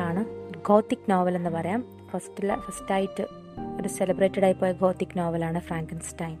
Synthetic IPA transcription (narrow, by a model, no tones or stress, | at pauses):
aːɳɨɡo̞ːt̪ːikːnoːʋɐle̞nːɨpɐrɐjaːm | fɐstilːɐfɐstaːjitːɨ | oɾuselɐbreːtːɐɽaːjipːoːjɐɡo̞ːt̪ːikːnoːʋɐlaːɳɨfraːŋkɐnsʈɐjin